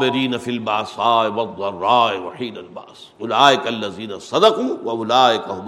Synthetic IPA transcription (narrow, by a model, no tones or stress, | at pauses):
bɪɾiːnɐfilbaːsaːwɐd̪ˤːɐrˤːɑːɪwɐħiːnɐlba̰ʔs | ʊlaːʔɪkaɐlːɐziːnɐsɐd̪ɐquːwɐʔʊlaːʔɪkɐɦʊm